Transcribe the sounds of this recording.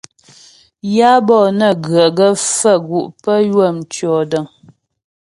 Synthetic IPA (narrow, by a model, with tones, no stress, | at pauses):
ja˦bɔː˦˨nə˦˨ɡɰə˨ɡə˦fə˦˨ɡu˨ʔpə˦jwə˦˨mt͡ʃɥɔ˨də˨ŋ